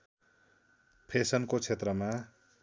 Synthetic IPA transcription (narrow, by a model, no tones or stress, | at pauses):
pʰesʌnkot͡sʰet̪rʌma